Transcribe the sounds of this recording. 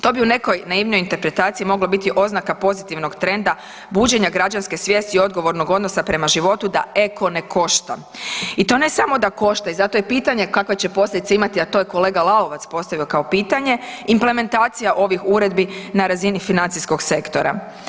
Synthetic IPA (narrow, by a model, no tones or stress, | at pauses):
t̪o̞ːbiune̞ko̞jnaiːʋnojint̪e̞ɾpɾe̞t̪aːt̪siimo̞ɡlˠobit̪iʔo̞znakapo̞zit̪iʋno̞ɡt̪ɾe̞nd̪a | buːd͡ʑe̞ɲaɡɾad͡ʑanske̞sʋje̞ːst̪iio̞d̪̚ɡo̞ʋo̞ɾno̞ɡo̞d̪no̞sapɾe̞maʒiʋo̞t̪ud̪ae̞ko̞ne̞kʰo̞ʃt̪a̰ | it̪o̞ne̞samo̞d̪ako̞ʃt̪aizat̪o̞jepiːt̪aɲe̞kakʋet͡ɕe̞po̞slʎʲed̪it̪eimat̪iat̪o̞ːjeko̞le̞ːɡalˠaoʋat̪spo̞st̪aʋio̞kao̞piːt̪aɲe̞imple̞me̞nt̪aːt̪sijaʔo̞ʋixuɾe̞d̪binaɾazinifinant̪sisko̞ɡse̞kt̪o̞ɾa̰